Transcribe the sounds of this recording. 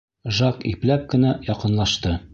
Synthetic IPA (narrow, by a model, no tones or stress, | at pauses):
ʒɑkiplæp̚kɘ̆næjɒqɤ̆nlˠɑʃt̪ɤ